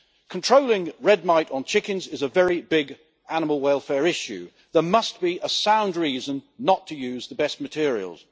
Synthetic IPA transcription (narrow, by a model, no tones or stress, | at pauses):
kʰə̃ntʰɹ̥oʊlɪ̃ŋɹɛd̚maɪtn̩t͡ʃʰɪkɨ̃nzɪzəvɛɹibɪɡ | anəməl̩ˠwɛɪlˠfɛːɹɪʃʉ̰ | ðə˞mʌsb̥iʔəsãʊ̃ndɹiːzə̃nːətʰəjʉːzðəbɛst̚mətʰɪəɹḭə̰l̩ˠz̥